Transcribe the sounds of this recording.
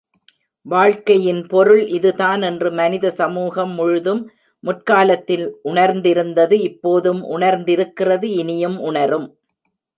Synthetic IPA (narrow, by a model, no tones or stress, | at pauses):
ʋaːɻkɐjɪnpɔɾɯɭʔɪðɯðaːnɛndrɯmɐnɪðɐsɐmuːɣɐmːʊɻʊðɯmː | ʊʈ̚kaːlɐt̪ːɪlʔʊɳɐɾnd̪ɪɾɯnd̪ɐðɯɪpːoːðɯmʔʊ̰ɳɐɾnd̪ɪɾɯkːɪrɐðɯɪnɪjɯmʔʊɳɐɾɯm